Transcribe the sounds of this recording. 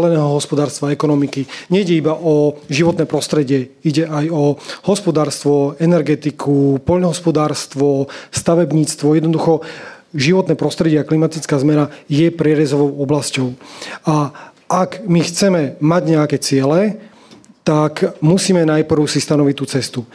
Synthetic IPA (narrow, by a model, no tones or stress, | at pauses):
lɛnɛːɦɔɦɔspɔd̪aːɾst̪ʋaɛkɔnɔmikiɲɛiɟɛibaʔɔʒiʋɔt̪nɛːpɾɔst̪ɾɛɟɪɛiɟɛajɔhɔspɔd̪aːɾst̪ʋɔɛnɛɾɡɛt̪ikʰupɔʎnɔɦɔspɔd̪aːɾst̪ʋɔst̪aʋɛbɲiːt͡st̪ʋɔjɛd̪nɔd̪uxɔ | ʒiʋɔt̪nɛːpɾɔst̪ɾɛɟɪɛaklimat̪it͡skaːzmɛnajɛpɾɛɾɛzɔʋɔʊɔblascɔʊa | ʔakmixt͡sɛmɛmaɟɲɛakɛt͡sɪɛlɛ | t̪akmusiːmɛnajpr̩ʊsist̪anɔʋict̪ːuːt͡sɛst̪u